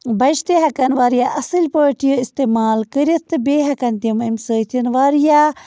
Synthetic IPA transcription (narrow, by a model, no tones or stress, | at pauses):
bɐʃt̪eɦɐkɐnʋaːɾijaʔɐsɨlʲpoːʈijoist̪eːmaːlkəɾit̪ɨbeːɦɐkɐnt̪iumimsəːt̪ʰinʋaːɾija